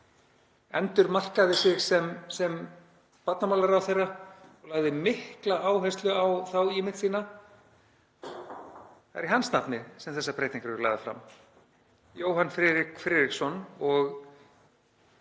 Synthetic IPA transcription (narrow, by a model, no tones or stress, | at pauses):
ɛ̰nt̪ʏɾmal̥kaðɪsɪɣsɛmsɛm | pat̪namaːwlaɾawθejrːaɔɣlaːɣðɪmɪhklaʔaːwɦɛjst̪lʏawθawɪmɪnt̪siːna | θaɛɾiɦansnapnɪsɛmθɛsːapɾeːjt̪iŋkɾɾla̰ːjɣðafɾa̰m | joːwɦanfɾɪːɾɪkfɾɪːðɾiksɔnɔɣ